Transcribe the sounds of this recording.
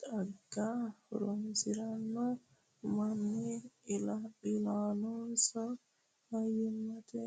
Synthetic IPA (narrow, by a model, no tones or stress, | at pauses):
taɡaɾonsiɾanːɔ | manːilailanɔsɔ | hajimːatɛ